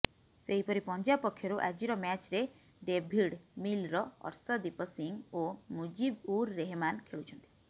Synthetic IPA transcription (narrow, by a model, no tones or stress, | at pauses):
seɦipɔɾipɔnd͡ʒapɔkʰːjɔɾuʔad͡ʒiɾɔmat͡ʃɾe | ɖebʱiɽmilɾɔɔ̰ɾsɔd̪ipɔsiŋomud͡ʒibuɾːeɦemankʰeɭut͡ʃʰɔnt̪i̥